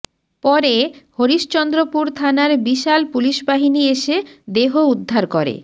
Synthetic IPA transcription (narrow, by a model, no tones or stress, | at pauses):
pɔɾehoɾiʃt͡ɕɔnd̪ɾopuɾt̪ʰanaɾbiʃalpuliʃbaɦinieʃed̪eɦoud̪ʱːaɾkɔɾḛ